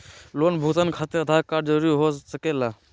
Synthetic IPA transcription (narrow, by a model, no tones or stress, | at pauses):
lonbʱut̪ənkʰat̪eɾəd̪ʱakaɾd͡ʒəɾuɾiɦosəkela